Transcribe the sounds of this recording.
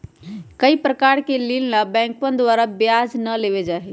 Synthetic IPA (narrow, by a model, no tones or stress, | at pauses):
kəipɾəkaɾkelillabɛ̃ŋk̚pənd̪waɾabjad͡ʒnəleβed͡ʒaɦɛ